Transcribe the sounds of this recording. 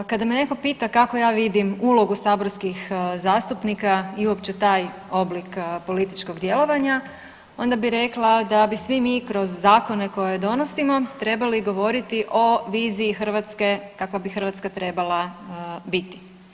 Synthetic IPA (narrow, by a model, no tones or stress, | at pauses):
kad̪amene̞ko̞piːt̪akako̞jaːʋid̪imuːlˠo̞ɡusaːboɾskixzaːst̪upnikaiuo̞pt͡ɕet̪aːj | o̞blikpo̞lit̪it͡ʃko̞ɡd̪je̞lˠo̞ʋaɲa | o̞nd̪abiɾe̞klˠad̪abisʋimiːkɾo̞zːaːko̞ne̞ko̞jed̪o̞nosimo̞t̪ɾe̞baliɡo̞ʋo̞ɾit̪iʔo̞ʋiːziːxr̩ʋat̪ske̞kakʋabixr̩ʋat̪skat̪ɾe̞balˠabit̪i̥